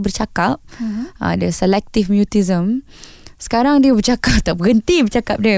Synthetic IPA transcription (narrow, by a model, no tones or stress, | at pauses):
bərt͡ʃakap̚ã̰dəsəlɛk̚t̪ifmjut̪izəmsə̥kaɾaŋdiəbərt͡ʃakap̚t̪aʔ̚bəɡənt̪ibərt͡ʃakap̚diə